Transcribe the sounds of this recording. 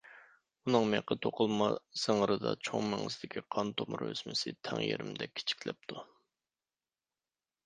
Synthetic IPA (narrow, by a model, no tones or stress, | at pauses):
unɨŋmeqət̪ʰoqʰʊlˠmɑsəŋəɾɨd̪ɑ̰t͡ʃʰoŋmɛŋɨsɪd̪ɪkʲʰiqʰɑnt̪ʰomɾøsmɪsɪt̪ʰɛŋjeɾɪmd̪ɛkʲʰːi̥t͡ʃʰi̥kʲʰlɛp̚t̪ʰu